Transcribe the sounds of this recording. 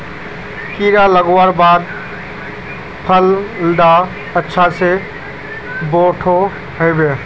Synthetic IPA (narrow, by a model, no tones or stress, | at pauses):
kiɾaləɡwaɾbaːd̪ | pʰəlɖ̪a | ətːʃʰase | boʈʰo | ɦəjbe